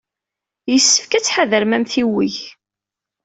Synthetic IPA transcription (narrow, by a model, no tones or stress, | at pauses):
jəsːə̥fkæt͡sːħaðəɾmæmθiwiʝ